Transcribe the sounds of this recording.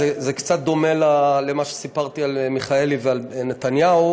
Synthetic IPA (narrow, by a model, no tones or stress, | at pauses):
ezekt͡sat̪̚d̪o̞melalemaʃe̥sipaʁt̪ialmiχaelivealnet̪anjau